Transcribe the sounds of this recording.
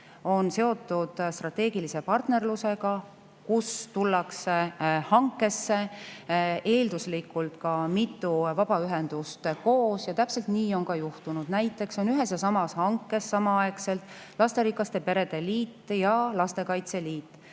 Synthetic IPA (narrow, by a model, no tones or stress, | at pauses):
o̞nse̞o̞t̪ːˑud̪̥st̪rɑt̪ːe̞ːɡilise̞pɑrt̪ne̞rluse̞ɡ̥ɑ | kust̪ulːɑksehɑŋkːˑe̞sːe̞ | ʔe̞ːld̪uslikːˑult̪kɑmit̪ːˑuvɑb̥ɑyɦe̞nd̪̥ust̪ko̞ːsjɑt̪æpse̞lt̪niːo̞nkɑjuht̪unud̪̥næjt̪ːˑe̞kso̞nyɦe̞sjɑsɑmɑshɑŋkːe̞sːɑmɑɑekse̞lt̪ˑ | lɑst̪e̞ɾikːɑst̪e̞pe̞ɾe̞d̪e̞liːt̪ːˑjɑlɑst̪e̞kɑjt̪se̞liːt̪ːˑ